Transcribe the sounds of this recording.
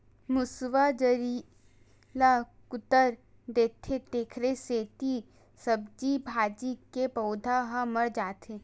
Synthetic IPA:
mʊsʋad͡ʒəɾi | lakʊt̪əɾ | d̪eːt̪ʰːet̪eːkʰɾeseːt̪i | səb̚d͡ʒibʱaːd͡ʒikepɐʊd̪ʱaɦaməɾd͡ʒaːt̪ʰeː

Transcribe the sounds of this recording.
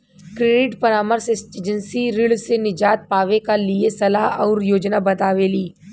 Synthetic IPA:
kɾeɖɪʈpɐɾaːməɾsɪsʈeːd͡ʒə̃nsiɾɪɭsenɪd͡ʒaːt̪̚paːʋekaliesɐlaɦɔːɾjoːd͡ʒnabɐt̪aːʋeːliː

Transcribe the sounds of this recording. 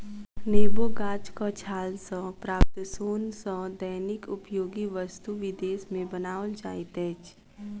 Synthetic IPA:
neːboːɡaːd͡ʒkat͡ʃʰaːlsɔ̃pɾaːp̚t̪soːnsɔ̃d̪əjnɪkʊpjoːɡiʋəst̪uʋɪd̪eːsmẽbənaːʋəld͡ʒaːɪt̪ɛːt͡ʃ

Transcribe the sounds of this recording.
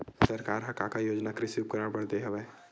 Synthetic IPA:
səɾkaːɾɦɐkakajoːd͡ʒnakɾɪsuːp̚kəɾabəɽd̪eɦəbɛ

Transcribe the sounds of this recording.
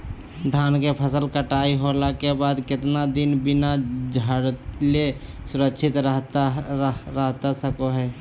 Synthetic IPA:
d̪ʱaːnkepʰəsəlkəʈaːiɦolakebaːd̪kɪt̪nad̪ɪnbɪnad͡ʒʱəɽlesʊɾəkʃʰɪt̪əɦ | ɾəɦt̪asəkoɦɛː

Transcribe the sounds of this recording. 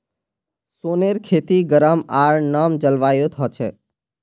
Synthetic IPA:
soːneɾkʰeːt̪iɡəɾəmaːɾnəmd͡ʒəlʋaːjõt̪ʰɔt͡ʃʰeː

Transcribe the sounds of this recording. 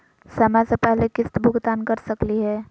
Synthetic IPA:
sɐmɛsepɛɦlekɪst̪bʱʊɡd̪aːnkɐɾsɐkliɦɛː

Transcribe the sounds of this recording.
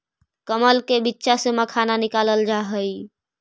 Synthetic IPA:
kəməlkebitːʃasəməkʰananikaləld͡ʒaɦəj

